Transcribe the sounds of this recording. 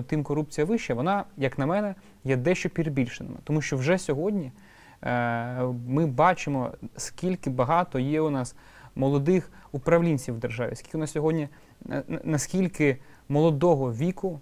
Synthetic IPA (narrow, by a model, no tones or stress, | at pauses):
t̪ɪmkɔɾupt͡sʲijɐʋɪʃt͡ʃɐʋɔnɑjɐknɐmɛnɛ | jɛd̪ɛʃt͡ʃɔpʲiɾebʲilʲʃɪnɪ̰mɪ̰t̪ɔmuʃt͡ʃɔwʒɛsʲɔɦɔdʲnʲi | mɪbɑt͡ʃɪmɔ̰skʲilʲkɪbɐɦɑt̪ɔjɛʊnɑs | mɔlˠɔd̪ɪxupɾɐʋlʲinʲt͡sʲiwd̪erʒɑʋʲḭsʲkʲi̥lkɪʊnɑssʲɔɦɔdʲnʲi | nɐskʲilʲkɪmɔlˠɔd̪ɔɦɔʋʲikʊ